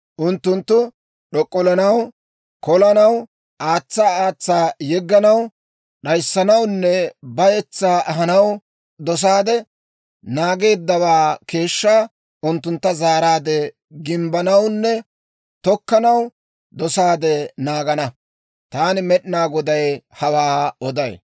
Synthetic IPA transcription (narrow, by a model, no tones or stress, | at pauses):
ʔʊnt̪ːʊnt̪ːʊ | ɗɔkʼːɔlɐnɐw | kɔlɐnɐw | ʔaːt͡sːaaːt͡sːaːjɛɡːɐnɐw | ɗɐjsːɐnɐwnːɛbɐjɛt͡sːaːʔɐɦɐnɐw | d̪ɔs̬aːd̪ɛ | naːɡe̞ːd̪ːɐwaːke̞ːʃːaː | ʔʊnt̪ːʊnt̪ːɐzaːɾaːd̪ɛ | ɡɪmbɐnɐwnːɛ | t̪ɔkːɐnɐw | d̪ɔsaːd̪ɛnaːɡɐnɐ | t̪aːnɪmɛɗɪnaːɡɔd̪ɐjhɐwaːɔd̪ɐj